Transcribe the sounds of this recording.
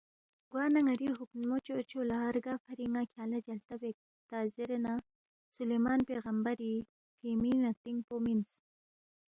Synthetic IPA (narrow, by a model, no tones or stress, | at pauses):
ɡ̥waːnɐŋɐɾiɦupnmot͡ʃoot͡ʃoːlaaɾɡafɐɾiŋakʰjaːlad͡ʒɐlt̪awek̚ | t̪aːzeɾena | sulemaːnpeːɣɐmbɐɾi | fʰiːminat̪iŋpomins